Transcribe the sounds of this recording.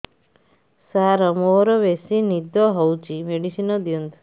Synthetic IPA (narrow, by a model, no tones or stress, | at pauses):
saɾɔmoɾɔʋesinid̪ɔɦɔwt͡ʃimeɽisinɔd̪jund̪